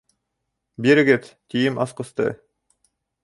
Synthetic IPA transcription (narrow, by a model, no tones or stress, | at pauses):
biɾeɡet̪t̪ijimɑsqɤ̆st̪ɯ̰